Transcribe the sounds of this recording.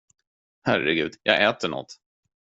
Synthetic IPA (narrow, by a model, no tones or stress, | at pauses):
hæɾɛɡʉ̟ːd̪jɑːɡɛːt̪əɳɔ̰t̪ː